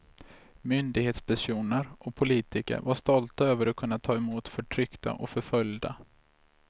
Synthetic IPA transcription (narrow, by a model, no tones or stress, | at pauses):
mʏnd̪ɪɡheːt̪spʰæʂuːnəɾʔɔpʰʊliːt̪ɪkə̰ɾvaʂt̪ɔlt̪aøːvəɾɔkʰɵnːat̪ʰɑːɛmuːt̪fœʈʰɾʏkt̪a̰ʔɔfœɾfœljd̪a̰